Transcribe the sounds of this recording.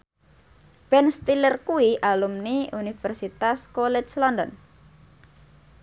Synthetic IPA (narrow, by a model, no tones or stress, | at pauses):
b̥ɛnst̪ilərkuiʔalumniunifɛrsit̪askolɛslɔnd̪ɔn